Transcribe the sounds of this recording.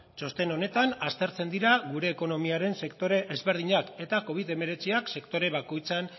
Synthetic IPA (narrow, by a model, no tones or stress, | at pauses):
t͡ʃo̞st̪e̞no̞ne̞t̪anast̪e̞ɾt͡se̞nd̪iɾaɣuɾe̞ːko̞no̞miaɾe̞nsekt̪o̞ɾeʔːzβe̞ɾð̞iɲake̞t̪ako̞β̞iðe̞me̞ɾe̞t͡siakse̞kt̪o̞ɾe̞βako̞jt͡san